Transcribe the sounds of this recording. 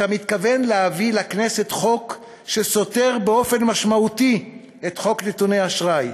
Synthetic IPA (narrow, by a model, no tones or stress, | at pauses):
amit̪kave̞nleavilakne̞se̞t̪χo̞k | ʃe̞so̞te̞ʁbeo̞fe̞nmaʃmauti | et̪χo̞kne̞tuneaʃʁaj